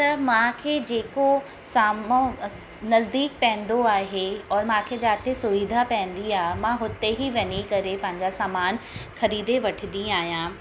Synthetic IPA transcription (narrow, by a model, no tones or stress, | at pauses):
t̪ɐmãkʰeːd͡ʑeːko | saːmõ | nɐzd̪iːk̚pɛ̃ɦɪ̃n̆d̪oaːɦeɔːɾmãkʰed͡ʑaːt̪ʰesʊʋiːd̪ʱapɐ̃ɦɪ̃n̆d̪iaːɦemãɦʊt̪eɦiʋɐnikɐɾepɐ̃ɦɪ̃ɲd͡ʑasaːmaːnxɐɾiːd̪eʋɐʈʰɪd̪ĩaːɦijãː